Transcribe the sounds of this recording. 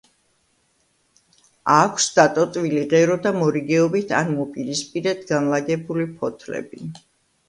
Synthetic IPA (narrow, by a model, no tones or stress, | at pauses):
akʷʰsd̪̥at̪ʼɔt̪ʼviliʁɛɾɔd̪amɔɾiɡɛɔbit̪ʰa̰nmɔpʼiɾispʼiɾɛt̪ʰɡanlaɡɛbulipʰɔt̪ʰlɛ̰bi